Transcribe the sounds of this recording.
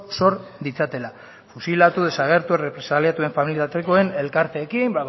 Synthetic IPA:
so̞ɾd̪it͡sat̪e̞la | fusilat̪uð̞e̞saɣ̞e̞ɾt̪uerepɾe̞saliat̪ue̞ɱfamilit̪at̪eko̞e̞ne̞lkaɾt̪e̞ːkimbaɣ

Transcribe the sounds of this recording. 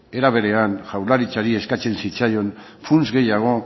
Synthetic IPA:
e̞ɾaβe̞ɾe̞anʝawlaɾit͡saɾie̞skat͡se̞nsit͡sajo̞n | funzɣe̞jaɣ̞o̞

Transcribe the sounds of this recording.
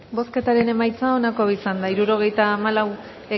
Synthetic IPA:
bo̞ske̞t̪aɾe̞ne̞majt͡sao̞nako̞isand̪aiɾuɾo̞ɣ̞e̞jt̪aːmalaw | e

